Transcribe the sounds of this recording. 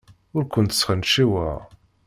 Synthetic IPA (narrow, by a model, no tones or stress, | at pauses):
ʊɾkʷənt̪ə̥sχənʃiwæ̰ʁ